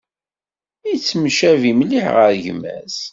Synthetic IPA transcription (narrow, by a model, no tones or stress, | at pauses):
it͡sːmʃævimliħʁəɾʝmæ̰s